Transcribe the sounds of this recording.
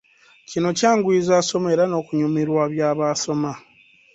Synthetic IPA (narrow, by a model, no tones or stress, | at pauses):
cino̞caːŋɡwiːzaːso̞me̞ɾano̞ːkuɲumiɾwaβjaːβaːso̞ma